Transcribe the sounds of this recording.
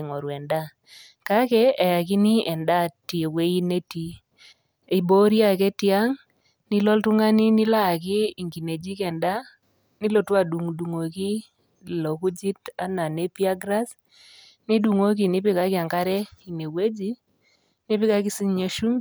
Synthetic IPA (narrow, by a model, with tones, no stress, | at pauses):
ŋo˨ɾwɛ˨nda˦ | ka˦kɛː˦˨ja˨k̬ɪ˦ni˦ɛ˨nda˦˨ti˨we˦i˦ne˦ti˦ | i˨bo˦ɾja˦˨kɛ˦tɪ˦a˦ŋ | nɪ˦lɔ˦ltʊ˦ŋa˦ni˦nɪ˦la˦˨kɪː˦˨ŋɡi˨ne˨d͡ʒi˦kɛ˨nda˦ | nɪ˦lo˦˨twa˨du˨ŋdu˨ŋo˨ki˦ | lo˨ku˦d͡ʒi˦ta˦na˨ne˦pi˦a˦ɡɾa˦s | nɪ˦du˨ŋo˦k̬i˨nɪ˦pɪ˦ka˦kɪ˦a˨ŋka˦ɾɛ˦i˨ne˨we˦d͡ʒi˦ | nɪ˦pɪ˦ka˦kɪ˦si˦ɲ˦ɲo˦ʃu˦m